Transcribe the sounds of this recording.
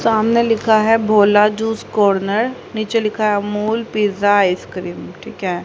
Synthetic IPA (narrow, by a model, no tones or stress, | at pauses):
saːmnelɪkʰaɦɛbʱoːlad͡ʒuːskɔːɾnəɾniːt͡ʃelɪkʰaɦɛmuːlpiːzaɪskɾiːmʈʰiːkɦɛ